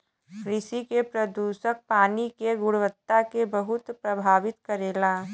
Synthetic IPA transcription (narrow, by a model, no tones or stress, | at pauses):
kɾɪʃikepɾɐd̪uːʃək̚paːnikeɡʊɽʋət̪ːakebəɦʊt̪pɾɐbʱaːʋɪt̪kəɾeːlaː